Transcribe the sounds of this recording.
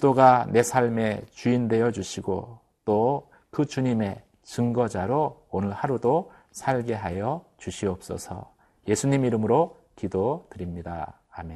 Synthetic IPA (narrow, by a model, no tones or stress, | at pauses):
kɯdoɡane̞sʰaɭme̞t͡ɕuinde̞jʌd͡ʑuɕʰiɡo | t͈o | kɯt͡ɕuɲime̞ | t͡ɕɯŋɡʌd͡ʑaɾoːnɯɭhaɾudo | sʰaɭɡe̞ɦajʌt͡ɕuɕʰiʌp̚s͈ʌ̰sʰʌ̰ | je̞sʰuɲimiɾɯmɯɾo | kidotɯɾimɲida̰ː | me